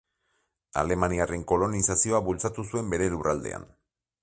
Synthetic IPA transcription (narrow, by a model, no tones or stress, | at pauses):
a̰le̞maniare̞ŋko̞lo̞nisasio̞aβult͡sat̪us̬ue̞mbe̞ɾe̞lurald̪e̞̰a̰n